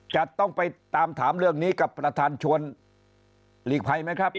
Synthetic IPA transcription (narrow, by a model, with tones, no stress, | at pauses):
t͡ɕa˨˩t̪ɔ˥˩ŋpa˧jt̪aː˧mt̪ʰaː˩˦mɾɯ˥˩əŋniː˦˥ka˨˩pːɾa˧t̪ʰaː˧nt͡ɕʰu˧ən | liː˨˩k̚pʰa˧jma˥jkʰɾa˦˥p̚